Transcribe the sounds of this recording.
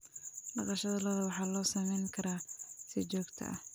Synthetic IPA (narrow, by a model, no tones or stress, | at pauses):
ɖɑqɑʃɐðɐlɐðɐwɑħɑːlɔːsɐmɛjŋkʰɐɾaːsɪt͡ʃɔːɡt̪ʰɐ̰ʔɐ̰h